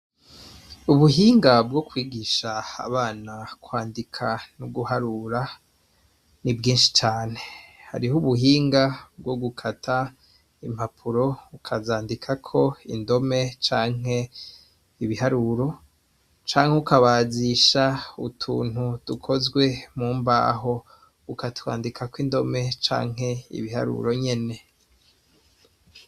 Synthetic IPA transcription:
uβuɦiːŋɡabɡokwiːɡiʃa̰ːβaːnakwaːndikʰanuɡuhaɾuɾa | nibɡiːnʃi̥t͡ʃaːne̞ha̰ɾiɦuβuɦiːŋɡabɡo̞ɡukʰatʰa | im̥apʰuɾo̞ukʰazaːndikʰakʰo̞ḭndo̞me̞t͡ʃaːŋ̥ɦe̞ | iβihaɾuɾo̞ | t͡ʃaːŋ̥heukaβaːziʃaṵtʰṵːn̥hutukʰo̞zɡwe̞muːmba̰ːɦo̞ | ukatwa̰ːndikʰakwindo̞me̞t͡ʃa̰ːŋ̥ɦe̞ḭβiha̰ɾṵɾo̞ɲe̞ne̞

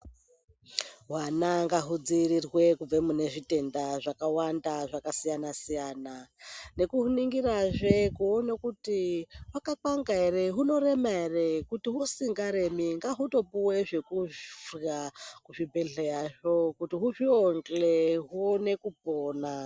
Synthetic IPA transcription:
wanaŋɡaɦud͡zirirwe̞kub͡vemune̞ʐite̞ndaʐakawandaʐakasijanasijaːnane̞kuɦuniŋɡiraʐekuonekutiwakakaŋɡaereɦuno̞re̞maerekutiɦusiŋɡaɾe̞miŋɡaɦuto̞puweʐe̞kufɣakuʐibʱeɮejaʐo̞kutiɦuʐioŋɡleɦuone̞kup̚oːna

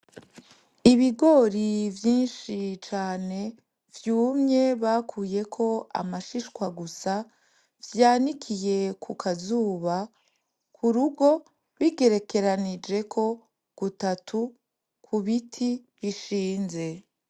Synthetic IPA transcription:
iβiɡo̞ɾivjiːnʃit͡ʃaːne̞ | vjuːmɲe̞βaːkʰuːje̞kʰo̞a̰maʃiʃkwaɡusa | vjaːnikʰije̞kʰukʰazuːβa | kʰuɾuɡo̞ | βiɡe̞ɾe̞ke̞ɾanid͡ʒe̞kʰo̞ | ɡ̥utatʰu | kʰuβitʰi | βiʃiːnze̞

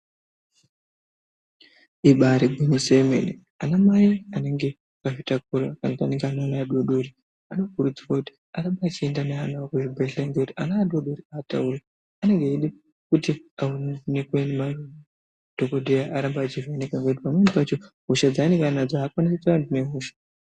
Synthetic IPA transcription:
iɓaɾiɡʱinisemḛne | anamaiane̞ŋɡe̞ | kaʐitak̚uɾakanataneŋɡeananaːɗwoɗoɾi | ano̞kuɾud͡ziwakuti̥ | aɾambaːt͡ʃie̞ndaneanakuibʱeɬaŋɡekutianaːɗoɗoɾiaːta̰uɾe | ane̞ŋɡeiɗi | kutiaunekuwenemaruni | d̥ʱokodʱejaʔaɾambaːt͡ʃivenekaŋɡout̬ipamwenipat͡ʃo | ɦuʃad͡zaːneŋɡanad͡zaːkwanis̬et͡saandune̞ɦuːʃḁ

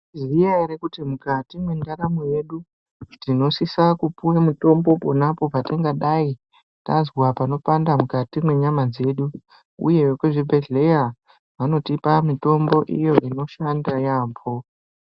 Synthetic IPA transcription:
zijaiɾekutimukatimwe̞ndaɾamoje̞ɗu | tino̞sisakupuwemuto̞mbo̞po̞napo̞patiŋɡaɗai | tazwapano̞pandamukatimwe̞ɲamad͡ze̞ɗu | ṵje̞wekweʐibʱe̞ɮe̞ja | ʋano̞tipamito̞mbo̞ʔḭjo̞ʔino̞ʃandajaːmbʰo̞

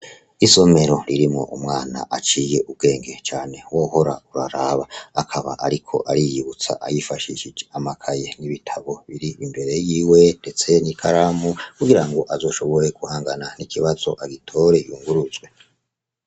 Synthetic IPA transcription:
iso̞me̞ɾo̞ɾiɾimŋo̞̰ʔumŋaːna̰ʔat͡ʃiːje̞ʔub̚ɡe̞ːŋɡe̞t͡ʃaːne̞wo̞ːho̞ɾa̰uɾaɾaβaakʰaβa̰ʔaɾikʰo̞̰ʔaɾijiβut͡sa̰ʔajifaʃiʃid͡ʒeamakʰaje̞niβitʰaβo̞βiɾiʔimbe̞ɾe̞jiːwe̞nde̞t͡se̞nikʰaɾamukuɡiɾaŋɡo̞ʔazo̞ːʃo̞βo̞ɾe̞kuhaːŋɡananikʰiβaz̥o̞ʔaɡitʰo̞ɾe̞juːŋɡuɾuzɡwe̞

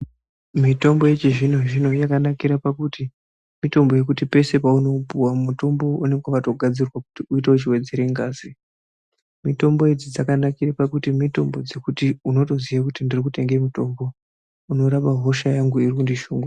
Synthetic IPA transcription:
mito̞mbojet͡ʃiʐin̤o̞ʐino̞jakanakiɾapakuti | mito̞mbo̞je̞kutipe̞se̞pauno̞puwamuto̞mbo̞une̞ŋɡwaʋato̞ɡʱad͡zirwaku̥tiuitaut͡ʃiwe̞d͡ze̞ɾeŋɡaːzi | mito̞mbo̞ed͡zid͡zakanakirapakutimito̞mbod͡zekutiuno̞to̞ziʋakutindirikute̞ŋɡemito̞mbo̞ | uno̞ɾaɓaɦo̞ʃajaŋɡuirikundiʃuːŋɡu

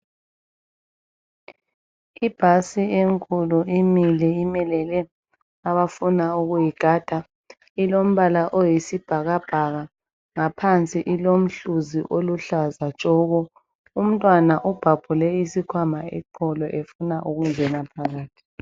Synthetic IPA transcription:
ib̥ʱasieŋkʼuluimilɛimɛlɛlɛ | aβafunauɣujiɡ̥ʱad̥ʱa | ilom̩βalaʔojisib̥ʱaɣab̥ʱaɣa | ŋapʰant͡sʼiʔilom̩ɬuziʔoluɬazat͡ʃʼɔːɣɔ | um̩tʼwanaʔub̥ʱab̥ʱulɛisikʰwamaɛ̰ǃʰɔlɔʔefunaʔuɣuŋɡʱɛnapʰaɣaːtʰʼi̥

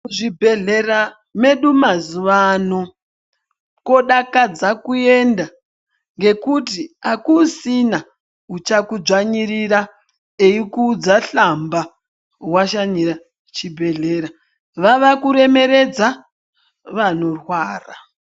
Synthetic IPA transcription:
ʐibʱe̞ɮera | me̞ɗumazuʋano̞ | ko̞ɗakad͡zakue̞nda | ŋɡe̞kut̬iakusina | ut͡ʃakud͡ʒaɲiɾiɾa | eikuːd͡zaɬamba | waʃaɲiɾa | t͡ʃibʱe̞ɮe̞ɾa | ʋaʋakuɾe̞me̞ɾe̞d͡za | ʋano̞rwaːra

